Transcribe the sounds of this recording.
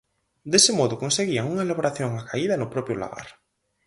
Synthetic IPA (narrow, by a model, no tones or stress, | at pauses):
d̪esemoðʊkõnseɣiaŋuŋaelaβoɾaθjoŋakaiðanʊpɾɔpjola̰ɣa̰ɾ